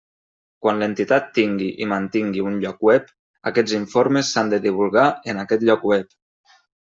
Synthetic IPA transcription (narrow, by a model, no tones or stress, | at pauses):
kwanlənt̪it̪at̪ːiŋɡiʔimant̪iŋɡiunʎɔkwɛp | a̰kɛd͡ziɱfoɾmesːand̪əðiβ̞ulˠɣaənakɛt̪ʎɔkwɛp